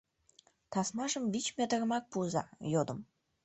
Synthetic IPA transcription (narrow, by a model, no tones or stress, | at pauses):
t̪ɑsmɑʒəmvit͡ɕmʲet̪əɾəmɑk̚puəzɑ̰jod̪əm